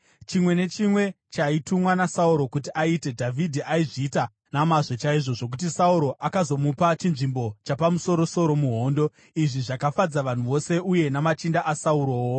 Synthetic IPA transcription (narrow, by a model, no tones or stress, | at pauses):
t͡ʃimwe̞ne̞t͡ʃimwe̞ | t͡ʃaitumwanasauɾo̞kut̬iʔaite̞dʱavʱidʱiʔaiʐiita | namaʐo̞t͡ʃaiʐo̞ʐo̞k̬ut̬isauɾo̞ʔakazo̞mupat͡ʃinʐimbo̞t͡ʃapamuso̞ɾo̞so̞ɾo̞muɦo̞ːndo̞ | iʐiʐakafad͡zaʋan̤uʋo̞se̞uje̞namat͡ʃindaʔasauɾoːwo